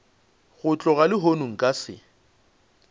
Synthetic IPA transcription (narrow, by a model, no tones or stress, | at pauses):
ɣʊt͡ɬʼɔɣalɪɦonuŋ̩kʼasɪ̰